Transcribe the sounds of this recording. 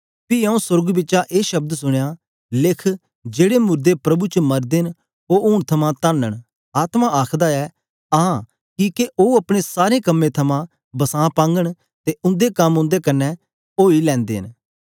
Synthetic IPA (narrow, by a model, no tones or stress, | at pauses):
piɐũsʊɾɡbɪtːʃaʔeːʃɐb̚d̪sʊɽ̃ejaː | lɪkʰ | d͡ʒeːɽemʊɾd̪epɾɐbut͡ʃəmɐɾd̪en | oːʊːɳ̃t̪ʰɐmãt̪anːəɽ̃ | aːt̪mãʔaːkʰd̪aɛ | aã | kikeʔoːɐpɽ̃esaːɾekɐmːẽt̪ʰɐmã | bɐsãːpãːŋɡəɽ̃ | t̪eʊ̃nd̪ekɐmʊ̃nd̪ekɐnːɛ | oːilɛ̃ːnd̪ḛn